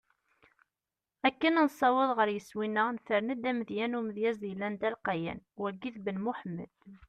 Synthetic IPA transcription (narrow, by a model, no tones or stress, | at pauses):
ækːənænsˤɑwəðˤʁəɾjəswinːənθəɾnæd̪æməðjænumðjæzilːænd̪ælqɑjæ̰nwəlɡiθbənmuħəmːə̰d̪̥